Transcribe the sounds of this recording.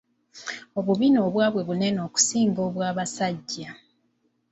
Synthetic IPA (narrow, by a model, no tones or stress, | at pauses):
o̞βuβino̞ːβwaːβwe̞βune̞no̞ːku̥siːŋɡo̞ːβwaːβasaɟːa